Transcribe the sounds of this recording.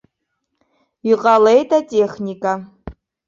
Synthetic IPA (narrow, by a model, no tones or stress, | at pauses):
iqʼalejtʰʼatʼeχnikʼa